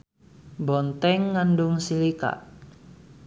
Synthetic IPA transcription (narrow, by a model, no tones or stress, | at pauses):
bɔnt̪ɛŋːanɖʊŋsilika̰ʔ